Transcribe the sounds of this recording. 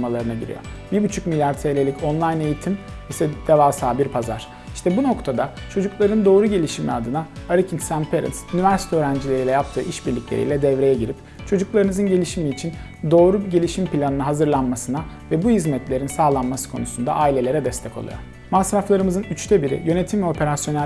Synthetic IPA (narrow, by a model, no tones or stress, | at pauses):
malˠaɾɯnaɟiɾḭjo̞̰biɾbyt͡ʃʰycmilʲjaɾt̪ʰejlʲelʲicʰo̞nlˠajne̞jit̪ʰim | isɛd̪̥evaːsaːbiɾpʰaza̰ɾ̥ | iʃt̪ʰɛbuno̞kt̪ʰad̪a | t͡ʃʰo̞d͡ʒuklˠaɾɯnd̪o̞ːɾuɟe̞lʲiʃimḭad̪ɯnaaɾicʰint̪sænpʰeɾḭnsynivæɾsi̥t̪ʰɛøːɾænd͡ʒilʲeɾilʲɛjap̚t̪ʰɯ̰ːʔiʃbiɾlʲiclʲeɾḭlʲɛd̪ɛvɾe̞jɛɟiɾip̚ | t͡ʃʰo̞d͡ʒuklˠaɾɯnɯzɯnɟe̞lʲiʃimiːt͡ʃʰin | d̪o̞ːɾuɟe̞lʲiʃimpilʲanɯnaɦazɯɾlˠanmasɯna | vɛbuhizmɛt̪lʲe̞ɾinsaːlˠanmasɯ̥kʰo̞̰nusund̪a̰ʔaːilʲe̞lʲe̞ɾɛd̪ɛst̪ʰɛkʰo̞̰lˠṵjo̰ɾ | masɾaflˠaɾɯmɯzɯnyt͡ʃt̪ʰɛbiɾḭjø̞ne̞t̪ʰimvɛo̞pʰe̞ɾasjo̞næ